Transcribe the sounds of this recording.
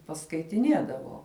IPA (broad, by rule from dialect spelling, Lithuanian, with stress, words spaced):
pɐskɐɪtʲɪˈnʲiɛdɐʋoː